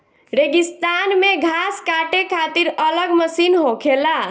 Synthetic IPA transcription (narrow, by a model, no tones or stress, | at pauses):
ɾeɡist̪anmeɡʱaskaʈekʰat̪iɾələɡməsinɦokʰela